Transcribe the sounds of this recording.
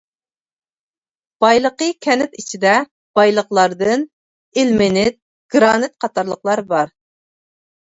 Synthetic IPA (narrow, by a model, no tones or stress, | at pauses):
b̥ɑjlˠəqəkʲʰɛnɪt̪it͡ʃʰid̪ɛ | b̥ɑjlˠəχlˠɑɾd̪ɨn | ɪlmɪnɪt̪̚ | ɡ̥ɾɑːnɨt̪̚qʰɑt̪ʰɑɾlˠəqlˠɑɾbɑɾ